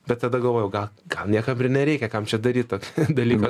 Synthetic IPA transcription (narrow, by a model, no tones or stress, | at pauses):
bʲɛt̪̚t̪ɐd̪ɐɡɐlˠʋoːjɛʊɡɐlˠkɐlnʲiɛkɐmɪrnʲɛɾʲɛɪkʲɛkɐmt͡ʃʲɛd̪ɐɾʲiːt̪̚t̪oːkʲd̪ɐlʲiːkɐ